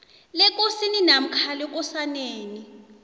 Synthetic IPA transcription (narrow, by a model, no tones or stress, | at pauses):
lɛk̬ʼosininam̩kʰalɛk̬ʼɔsaneːni